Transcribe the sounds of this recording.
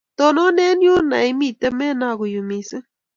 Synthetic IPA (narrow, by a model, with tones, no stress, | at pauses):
t̪o˨no˦ne˦nju˦na˨jmi˦t̪a˦me˦na˧ɣʊ˨jumisɨ˦